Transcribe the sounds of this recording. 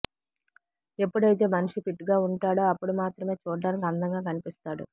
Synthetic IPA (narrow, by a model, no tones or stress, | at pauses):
e̞pːuɽɐjit̪e̞ːmɐnuʂipiʈɡaːuɳʈaːɽoːɐpːuɽumaːt̪ɾɐme̞ːt͡ʃuːɽɐɖaːnikɐnd̪ɐŋɡaːkɐnipist̪aːɽṵ